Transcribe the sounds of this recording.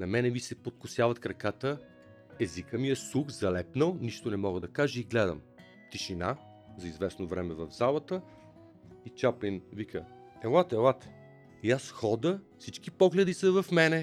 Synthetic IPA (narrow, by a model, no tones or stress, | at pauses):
nɐmɛnɛvisɛpot̪̚kʊsjavɐt̪kɾɐkat̪ə | ɛzikəmiɛsuxzɐlɛpnəlˠniʃt̪onɛmɔɡəd̪ɐkaʒəiɡlɛd̪ə̰m | t̪iʃina | zɐizvɛsnovɾɛmɛvɐvzalˠət̪ə | it͡ʃapinvikə | ɛlat̪ɛlˠat̪ | asxɔd̪əfsit͡ʃkipɔɡlɛd̪isəvɐfmɛnɛ